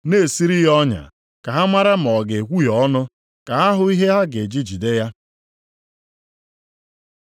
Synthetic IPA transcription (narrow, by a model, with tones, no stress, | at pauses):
ne˦˨si˦ɾi˦ɦɔ˦ɲa̰˨ | ka˨ɦa˦mʷa˦ɾa˦m̩˨ɔ˨ɡe˨kʷu˦jɔ˦nʊ˦ | ka˨a˦ɦʊ˨i˦ɦe˦ɦa˦ɡe˨d͡ʒi˦d͡ʒi˨de˦ja˦